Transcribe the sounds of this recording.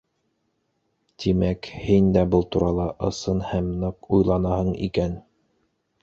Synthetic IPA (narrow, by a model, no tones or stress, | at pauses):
t̪imækhind̪æbɤlˠt̪uɾɑlˠɑʔɤ̆sɤnhæmnɤqujlˠɑnɑhɤɴḭkæn